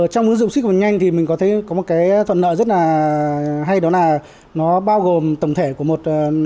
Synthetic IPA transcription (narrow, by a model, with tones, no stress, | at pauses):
t͡ɕwŋ͡mvu˨˦nzʊ̰˧˨wŋ͡msi˦˥k̟̚ɲa˧jŋ̟t̪ʰi˨˩mï˨˩ŋ̟kɔ˨˦t̪ʰe˨˧˦kɔ˨˦mo˨˩t̚kaː˨˦jt̪ʰwə̰˧˨nə̰ː˧˨zə˦˥t̚laː˨˩ | ɦa˧jɗɔ˨˦naː˨˩ | nɔ˨˦ɓaː˧wɣo˨˩mt̪ə˧˩wŋ͡mt̪ʰe˧˩ku˧˩əmo˨˩t̚ː